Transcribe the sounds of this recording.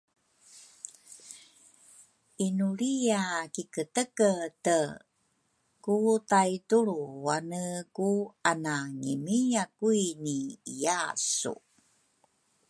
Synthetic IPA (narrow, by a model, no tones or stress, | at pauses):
inuɭijakikətəkətə | kutajtuɾuwanəkuanaŋimijakuiniijasṵ